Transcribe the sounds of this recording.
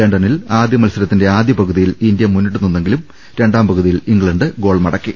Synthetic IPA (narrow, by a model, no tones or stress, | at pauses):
eɳɖɐnilaːd̪jɐmɐlsɐɾɐt̪ːinde̞aːd̪jɐpɐɣuðijilind̪jɐmunːiʈːununːe̞ŋɡilum | ɾe̞ɳɖaːmpɐɣuðijiliŋɡɭɐɳɖɨɡo̞ːɭmɐɽɐkːi